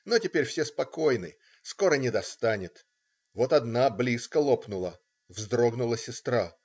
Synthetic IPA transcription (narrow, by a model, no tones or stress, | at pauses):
notʲɪpʲeɾʲfsʲespɐko̞jnɨ̰ | sko̞ɾənʲɪd̪ɐst̪anʲɪt̪ | vo̞t̪ɐd̪nablʲiskəlˠo̞pnʊlˠə | vzd̪ɾo̞ɡnʊlˠəsʲɪst̪ɾa